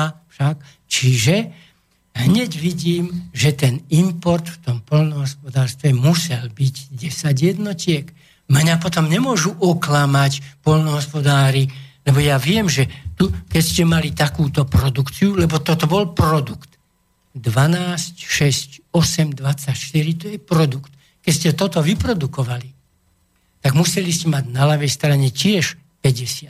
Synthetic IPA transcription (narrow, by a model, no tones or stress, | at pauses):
fʃak | t͡ʃiʒɛ | ɦɲɛɟʋiɟiːmʒɛt̪ɛnimpɔɾt̪ft̪ɔmpɔlnɔɦɔspɔd̪aːɾst̪ʋɛmusɛlbiɟɟɛsaɟjɛd̪nɔcɪɛk | mɲapɔt̪ɔmɲɛmʊɔʒuʔɔklamacpɔlnɔɦɔspɔd̪aːɾilɛbɔjaʋɪɛmʒɛt̪ukɛcscɛmalit̪akuːt̪ɔpɾɔd̪ukt͡siulɛbɔt̪ɔt̪ɔbɔlpɾɔd̪ukt̪ | d̪ʋanaːscʃɛscɔsɛmd̪ʋat͡sːacʃt̪iɾit̪ɔjɛpɾɔd̪ukt̪ | kɛscɛt̪ɔt̪ɔʋipɾɔd̪ukɔʋali | t̪aɡmusɛliscɛmaɟnalaʋɛjst̪ɾaɲɛcɪɛʃ | pɛɟɛsɪat̪